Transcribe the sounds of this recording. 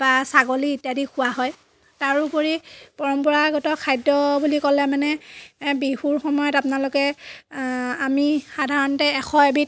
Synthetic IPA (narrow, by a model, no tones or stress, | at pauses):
b̥asaɡoliːtadikʰʊwaɦɔj | taɹupoɹipɔɹɔmpɔɹaɡɔtɔkʰajdɔbulikɔlɛmanɛbihuɹxɔmɔjɔtapʊnalʊkɛ | amixadʱaɹɔntɛːxʰɔebit̚